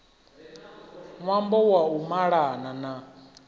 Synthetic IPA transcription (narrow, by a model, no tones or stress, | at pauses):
mwambɔwaumaɺanana